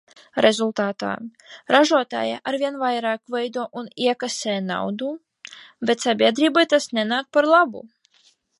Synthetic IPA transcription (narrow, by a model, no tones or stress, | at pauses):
ɾezulˠt̪aːt̪a̰ːɾaʒuɔt̪a̰ːja̰ʔaɾvʲiɛnvajɾaːkvɛjd̪uɔʔuniɛkaseːna̰wd̪u | bɛt̪ʲsabʲiɛd̪ɾiːbajt̪asnɛnaːk̚paɾlˠabṵ